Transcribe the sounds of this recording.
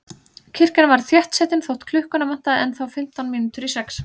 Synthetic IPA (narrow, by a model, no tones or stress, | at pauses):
cʰɪr̥cɪnavaɾ̥θjɛht̪sɛːt̪ɪnθowht̪kʰlʏhkʏnaman̥t̪aðɛnθawfɪm̥t̪awnminʏt̪ʏɾisɛks